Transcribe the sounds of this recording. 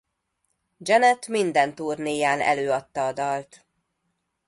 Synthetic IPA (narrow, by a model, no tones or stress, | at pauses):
d͡ʒɛnɛt̪mind̪ɛnt̪uːrneːjaːnɛ̰løːɒt̪ːɒːd̪ɒlt̪